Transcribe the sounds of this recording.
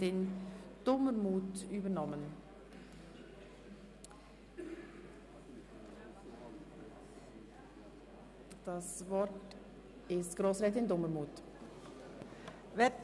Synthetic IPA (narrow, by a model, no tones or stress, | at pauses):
ɪnd̥ʊməmuːtyːbənɔmən | d̥asvɔɾt | ɪstɡ̥ɾoːsɾɛtɪndʊməmuːt | vɛ